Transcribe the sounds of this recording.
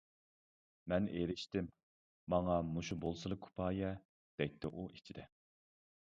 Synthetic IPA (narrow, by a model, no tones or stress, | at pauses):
mɛneɾɪʃt̪ɪmː | ɑŋɑmuʃubolˠsɨlˠəkʰu̥pʰɑːjɛ | d̪̥ɛjt̪ʰːɪʔuʔi̥t͡ʃʰid̪ɛ